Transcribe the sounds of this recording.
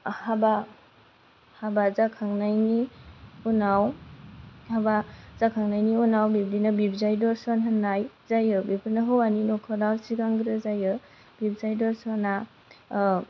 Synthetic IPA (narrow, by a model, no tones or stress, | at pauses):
haba | habazakʰaŋnajniunaw | habazakʰaŋnajniunawbibdinabib̚zajdɔɾsɔnɦanaj | zajɯbipʰɯnaɦɯwaninɔkʰɔdawsiɡaŋɡɾɯzajɯ | b̥ib̚zajdɔɾsɔna